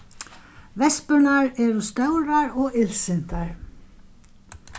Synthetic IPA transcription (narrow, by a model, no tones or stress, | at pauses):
vɛspʏɾnaɾɛɾʏst̪œːwɾaɾɔɣɪlsɪn̥t̪aɹ̥